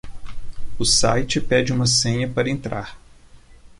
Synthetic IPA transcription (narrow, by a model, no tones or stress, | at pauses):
ʊsa̰jt͡ʃɪpɛd͡ʒɪũmɐsẽɲɐpaɾɐẽnt̪ɾʔa̰ɾ